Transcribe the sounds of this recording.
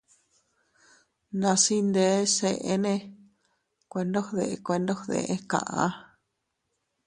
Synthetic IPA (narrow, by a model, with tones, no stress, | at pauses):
nã˧si˦nd̪e˧˦se˧ʔe˦nẽ˧ | kʷe˧ndo˦hðe˧ʔkʷe˧nd̪o˦hðḛ˧ʔẽ˦˧kã̰˧ʔã̰˦